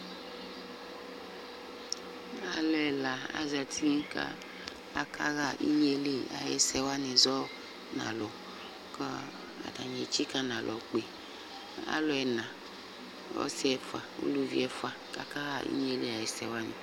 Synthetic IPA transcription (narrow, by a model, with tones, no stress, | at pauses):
a˦lɔ˨˦ɛ˨la˨a̰˨za˨tʰi˦ka̰˦ | a˨ka˦ɣa˦ʔḭ˦ɲe˦le˦a̰˨jɛ̰˨sɛ˦wa˦ni˨zɔ˦ | nã̰˨lɔ˨ | kɔ˦ | a̰˨da˨ɲ˨e˨t͡ʃi˦ka˦nã˨lʔɔ˨k͡pe˨ | a̰˦lɔ˦ɛ˨nã˨ | ɔ̰˦si˦ɛ˨fa˨o̰˦lu˦vḭ˦ɛ˦fa˨ka˦ka˦ɣa˦˨ʔḭ˦ɲe˦le˦a˨jɛ˨sɛ˨wa˦nḭ˨